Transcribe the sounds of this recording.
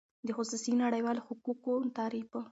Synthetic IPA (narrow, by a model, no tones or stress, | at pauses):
d̪əxʊsusinaɽajwɑloxʊkukot̪ɑɾifə